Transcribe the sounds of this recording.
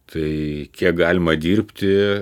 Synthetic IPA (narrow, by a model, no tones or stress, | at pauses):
t̪ʰɐɪkʲiɛk̚ɡɑːlʲɪmɐd̪ʲiːrʲpʲt̪ʲɪ